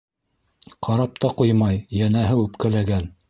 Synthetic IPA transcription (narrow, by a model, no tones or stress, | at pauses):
qʰɑɾɑp̚t̪ɑqujmɑjjænæɦɘʉpkælæɡæn